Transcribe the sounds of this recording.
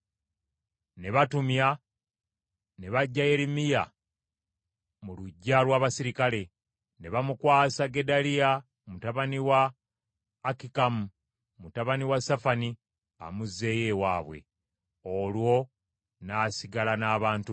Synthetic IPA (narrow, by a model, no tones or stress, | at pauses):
ne̞βatumja | ne̞βaɟːaje̞ɾimija | muluɟːalwaːβasiɾikale̞ | ne̞βamukwaːsaɡe̞dalija | mutaβaniwaː | kikamu | mutaβaniwasafani | a̰muze̞je̞waːβwe̞̰ | olwo̞ | naːsiɡalanaːβaːntu